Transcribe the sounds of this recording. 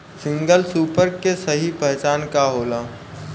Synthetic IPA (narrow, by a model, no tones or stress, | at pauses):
sɪ̃ŋɡəlsuːpəɾkːesəɦipɛɦt͡ʃaːnkaɦoːlaː